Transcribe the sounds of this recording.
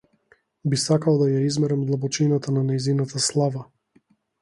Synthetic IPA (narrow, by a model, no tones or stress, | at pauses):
bisakalˠd̪ajaizmɛɾɛmd̪lˠabɔt͡ʃinat̪ananɛjzinat̪ʰaslˠava